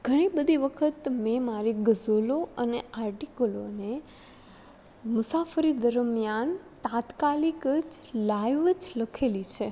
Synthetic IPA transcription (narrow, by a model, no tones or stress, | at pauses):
ɡʱəɽ̃ibəd̪ʱiʋəkʰət̪memaɾiɡəzoloəneaɾʈikəlone | mʊsafəɾid̪əɾmijant̪at̪kalikəd͡ʒlajʋəd͡ʒləkʰelit͡ʃʰe